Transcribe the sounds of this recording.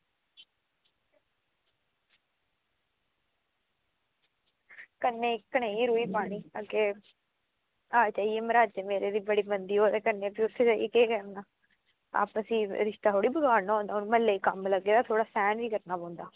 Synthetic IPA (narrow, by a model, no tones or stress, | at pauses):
kənːeːkːəñeːiːɾuːiːpaːɽiːakeː | aːt͡ʃaːieːməɾaːt͡ʃemeːɾeːd̪iːbəɽiːbənd̪iːɦoːt̪eːkənːeːpiːʊsʰːeːt͡ʃaːḭekeːkəɾnaː | a̰ːpəsĩːɾɪʃt̪aːɦoːɽiːbəɡaːɾnaːɦõnd̪aːʊnũːməlːeːkəmləɡːeːd̪aːt̪ʰoːɽaːsɛːnʋiːkəɾnaːpɔ̃ːnd̪aː